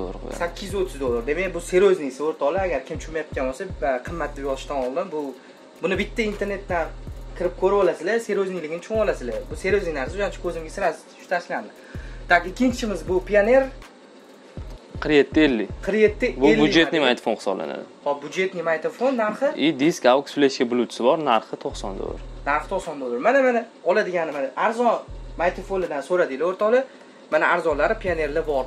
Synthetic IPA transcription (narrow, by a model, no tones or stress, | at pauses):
ɾ̰ssakʲːɪzot̪ʰːɪzd̪olˠːaɾd̪e̞mekʲbʊse̞ɾoznɪsɪoɾt̪ʰɒlˠɪaɡʲaɾkʲɪmt͡ʃʰʊmajat̪̚kʲanbosaqʰɨmːat̪̚ʰːd̪ɪbjɒzɪʃt̪anɒlˠd̪ɪnbʊ | bʊnɪbɪt̪ʰːaint̪ʰe̞ɾne̞t̪nakʰʲɪɾɪp̚kʲʰɵɾɪpɒlasɪlase̞ɾoznɪjlɪɡʲɪnɪt͡ʃʰoŋɒlasɪlabʊse̞ɾoznɪnaɾsɪʊʃant͡ʃʰɪ̥kʲʰɵzɪmɡʲasɪɾas | ʃt̪ʰaɾsland̪ɪ | t̪ʰakɪkʲʰːɪnt͡ʃʰɪmɪzbʊpʰijane̞ɾ | qʰɨɾje̞t̪ʰːɪelːɪqʰɨɾje̞t̪ʰːɪbʊlbud͡ʒet̪nɪmant̪ʰfonχɨsɒbla̰na̰d̪ɪhɒbʊd͡ʒe̞t̪nɪmajt̪ʰofonːaɾχɨid̪iskʲawksfleʃɡʲabʊlˠʊt͡ʃʰɪ̥sɪbɒɾnaɾχɨt̪ʰoχsɒnd̪o̰a̰ɾnaɾχɨ̥t̪ʰoχsɒnd̪olaɾmanamanɪ | ɒlad̪ɪɡʲanɪmanɪʔaɾzɒmajt̪ʰofonɪd̪ansoɾad̪ɪlaoɾt̪ʰɒlɪ | manaaɾzɒlaɾɪpʰijane̞ɾlɪbɒɾ